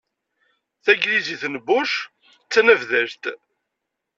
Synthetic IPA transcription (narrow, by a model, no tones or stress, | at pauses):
θæɡɾiziθnəbʊʃ | t͡sːnəvðəʒt̪